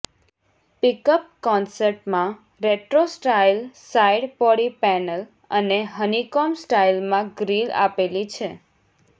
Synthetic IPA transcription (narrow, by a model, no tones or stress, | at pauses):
pikəp̚kɔnsəɾʈmã | ɾeʈɾosʈailsaiɖpɔɽipɛnəl | əneɦənikɔmsʈailmãɡɾila̰pelit͡ʃʰe